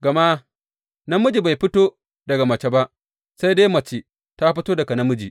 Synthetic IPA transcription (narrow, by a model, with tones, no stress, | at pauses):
ɡɐ˨ma˦ | nɐ˦mʊ˦d͡ʒi˨ba˨jɸɪ˦toː˦ | dɐ˨ɡa˨mɐ˨t͡ʃe˦ba˦ʔ | sa˦jde˦mɐ˨t͡ʃi˨ | ta˦ɸɪ˦toː˦dɐ˨ka˨nɐ˦mʊ˦d͡ʒi˨